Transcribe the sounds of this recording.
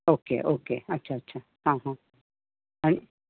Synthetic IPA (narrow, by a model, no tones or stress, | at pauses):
okḛʔokḛhat͡ʃat͡ʃʰa | hãɦõ | anĩ